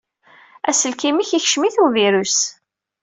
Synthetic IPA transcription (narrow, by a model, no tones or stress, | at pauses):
æsəlkimiçiçʃmiθuviɾus